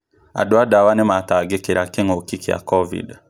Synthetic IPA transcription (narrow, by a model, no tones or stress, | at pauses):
a̰doadawanemataɡekeɾakeŋokikija̰kɔvḭd